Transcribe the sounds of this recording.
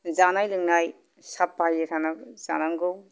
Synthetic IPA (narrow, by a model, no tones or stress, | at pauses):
zanajlɯŋnaj | sapːajɯtʰanaz̥a̰naŋɡɯw